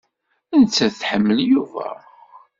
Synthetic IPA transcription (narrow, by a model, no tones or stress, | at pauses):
ænt͡sːæθħəmːəljuvæ̰